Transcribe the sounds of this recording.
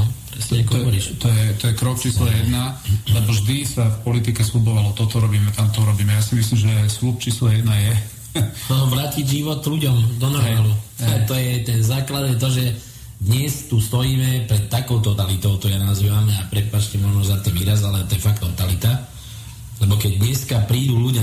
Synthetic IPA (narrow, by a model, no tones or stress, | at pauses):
ɔpɾɛsɲɛakɔɦɔʋɔɾiʃt̪ɔjɛt̪ɔjɛkɾɔkt͡ʃiːslajɛd̪nalɛbɔʒd̪isafpɔlit̪ikɛslubɔʋalɔt̪ɔt̪ɔɾɔbiːmɛt̪amt̪ɔuɾɔbiːmɛjasimis̬limʒɛslup̚t͡ʃiːslɔjɛd̪najɛ | ʋɾaːciɟʒiʋɔt̪luɟɔmd̪ɔnɔɾmɛmaːluɛt̪ɔjɛt̪ɛnzaːklad̪jɛt̪ɔʒɛ | d̪ɲɛst̪ust̪ɔjiːmɛpɾɛt̪ːakɔʊt̪ɔt̪alit̪ɔʊt̪ɔjanazʋiʋamɛapɾɛpaːt͡ʃcɛmɔʒnɔzat̪ɔʋiːɾazalɛt̪ɔɛfakt̪ːɔt̪alit̪a | lɛbɔkɛɟ̚d̪ɲɛskapɾiːd̪uluɟ